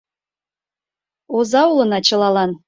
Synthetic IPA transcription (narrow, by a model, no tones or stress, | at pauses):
ozɑulɤ̆nɑt͡ɕɤ̆lɑlɑn